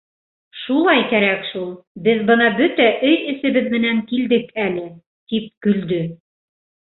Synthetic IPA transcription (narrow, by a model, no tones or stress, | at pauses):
ʃulˠɑjkæɾækʃulˠbɘðbɤnɑbɵt̪æʔɵjɘ̆sɘ̆βɘðmɘ̆næŋkild̪ɘkælɘ | t̪ip̚kɵ̆ld̪ɵ